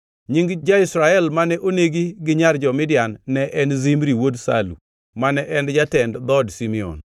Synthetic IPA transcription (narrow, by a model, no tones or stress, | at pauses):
ɲiŋɡd͡ʒaisɾaɛlmanɛʔoneɡiɡɪɲard͡ʒɔmɪdjanːɛʔɛnzimɾiwodsa̰lṵ | manɛʔɛnd͡ʒatɛndd̪ɔdsimiɔ̰n